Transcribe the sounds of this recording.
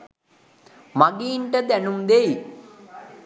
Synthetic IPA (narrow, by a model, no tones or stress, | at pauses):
maɡiːɳʈəd̪ænumd̪ei